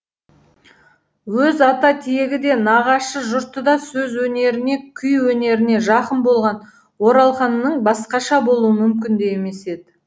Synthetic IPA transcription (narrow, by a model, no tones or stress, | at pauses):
wɵzɑt̪ɑt̪ʰijeɡʲɪd̪e̞nɑʁɑʃəʒʊɾt̪əd̪ɑsɵzwɵne̞ɾɪne̞kʲʰʏjwɵne̞ɾɪne̞ʒɑqənbolˠʁɑn | wo̞ɾɑlˠχɑnːəɴbɑsqɑʃɑbo̞lˠuwəmʏmkʲɪnd̪ejeme̞se̞d̪ɪ